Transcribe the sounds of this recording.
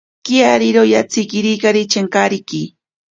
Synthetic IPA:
kiaɾiɾojat͡sikiɾikaɾit͡ʃeŋkaɾiki

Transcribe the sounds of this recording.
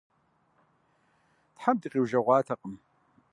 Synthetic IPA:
tħamdiːqʼiwʒɐʁʷɑːtʰɐqəm

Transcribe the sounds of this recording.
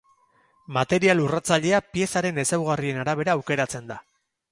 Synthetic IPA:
mat̪e̞ɾialurat͡saʎe̞apie̞saɾe̞ne̞sawɣ̞arie̞naɾaβ̞e̞ɾaːwke̞ɾat͡se̞nd̪a

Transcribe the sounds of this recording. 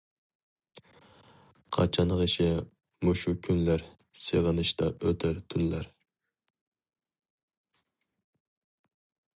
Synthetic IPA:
qʰɑ̰t͡ʃʰɑnʁiʃɪ | moʃukʲʰynlæɾ | seʁənɨʃt̪ɑʔøt̪ʰɪɾt̪ʰynlæɾ

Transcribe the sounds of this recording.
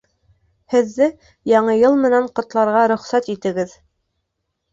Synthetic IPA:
hɘ̆ðːɘ | jɑɴɤjɤlˠmɘ̆næɴqŏt̪lˠɑɾʁɑɾɵ̆χsæt̪it̪ɘ̆ɡɘð

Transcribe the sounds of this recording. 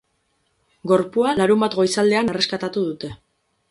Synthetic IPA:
ɡo̞ɾpualaɾumbat̪ɡo̞jsald̪e̞anere̞skat̪at̪uðut̪e̞

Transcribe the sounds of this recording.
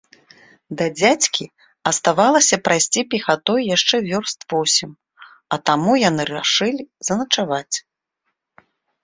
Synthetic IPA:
d̪ɐd͡zʲat͡sʲkʲʰi | ɐst̪avalˠɐsʲɐpɾajsʲt͡sʲipʲixat̪ɔjjaʂt͡ʂɛvʲɔrst̪vɔsʲim | ɐt̪amujan̪ɨɾaʂɨlʲizɐnɐt͡ʂavat͡sʲ

